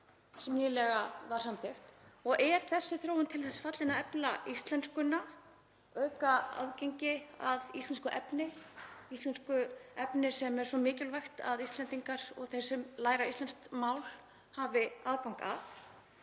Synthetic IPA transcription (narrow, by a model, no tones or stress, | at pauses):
sɛmniːlɛɣavaɾ̥samt̪ɪft̪ɔɣʔɛɾ̥θɛsːɪθɾoːwʏnt̪ʰɪlθɛsːḁfat̪lɪnaɛplaʔist̪lɛnskʏna | œɥkaa̰ðcejɲcɪaðist̪ɛnskʏʔɛpnɪist̪lɛnskʏɛpnɪsɛmɛɾ̥svɔmɪːcɪlvajxt̪a̰ðist̪lɛnt̪iŋkaɾ̥ɔ̰ɣθejɾ̥sɛmlaːjɾaist̪lɛnst̪maːwl̥ | havɪaːðkawŋ̥ka̰θ